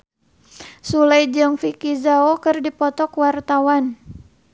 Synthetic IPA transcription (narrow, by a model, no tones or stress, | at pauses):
sulajd͡ʒɨŋfikizaokɨrdipɔt̪ɔkwart̪awan